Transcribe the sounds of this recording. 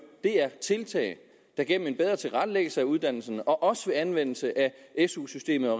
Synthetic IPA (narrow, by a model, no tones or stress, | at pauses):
d̥e̝æɐt͡sʰe̝lt͡sʰɛ̰ːɪ | d̥æɑɡ̥en̰m̩e̝nb̥eð̞ˠʁɐt͡sʰe̝lʁɑ̈d̥leɡ̥əl̩səæuð̞ˠd̥æn̰l̩sənɒ̽ʔɒ̽sə̥ʋe̝ænʋen̰l̩səʔæesusysd̥e̝̰ːməɒ̽